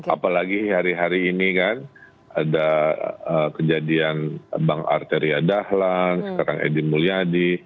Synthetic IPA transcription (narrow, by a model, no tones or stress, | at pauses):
a̰palaɡihaɾiɦaɾiːnikan | adaəkəd͡ʒadianbaŋa̰rt̪eɾiadahlansə̥kaɾaŋʔḛdimuliadi